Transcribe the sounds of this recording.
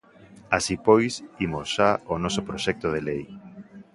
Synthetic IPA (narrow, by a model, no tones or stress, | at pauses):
asipojsimosʃaonɔsopɾoʃɛk̚t̪oðelej